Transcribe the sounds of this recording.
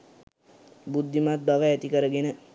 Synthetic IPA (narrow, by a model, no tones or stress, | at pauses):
bud̪ʱːimat̪baʋəɛt̪ikəɾəɡenə